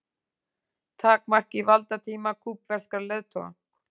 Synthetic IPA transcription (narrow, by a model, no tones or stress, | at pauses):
t̪ʰaːk̚mar̥kivalt̪at̪ʰiːmakʰuːpvɛr̥skaɾleðt̪ʰɔ̰a̰